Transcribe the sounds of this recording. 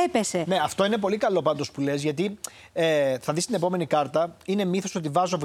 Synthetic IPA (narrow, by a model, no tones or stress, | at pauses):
epesene̞ɐft̪o̞inep̬o̞likɐlo̞pɐnd̪o̞spule̞zʝɐt̪i | eθɐðist̪ine̞po̞me̞nikɐɾt̪ɐine̞miθo̞so̞t̪̬ivɐzov